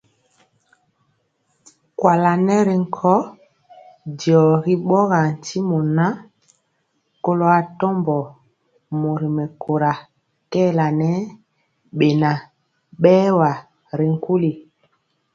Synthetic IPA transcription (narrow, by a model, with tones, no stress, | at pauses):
kwa˨la˨nɛ˦ɾi˨ŋ̩˨kʰɔ˦ | djɔ˨ɣi˦ɓɔ˦ɣa˨n˨tʰi˦mɔ˨na˦ | ko˦lo˨a˨tɔ˦mbɔ˨ | mo˨ɾi˨mɛ˨ko˨ɾa˨ | kɛː˦˨la˨nɛ˦ | ɓe˨na˨ | ɓɛː˦wa˨ | ɾi˨ŋ̩˦ku˦li˨